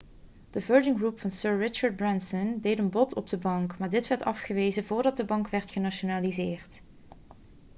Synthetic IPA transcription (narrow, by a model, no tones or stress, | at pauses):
d̥əvɜɹd͡ʒɪŋɡrupfɑnsøːɹːɪt͡ʃəɹd̚bɹɛnsɔndejtənbɔtʰɔb̚dəbɑŋkmaːɹdɪtʋɛɹtɑfχəʋejzəvʊːɹdɑt̚dəbɑŋkʋɛɹtχənaʃonalizɪːrt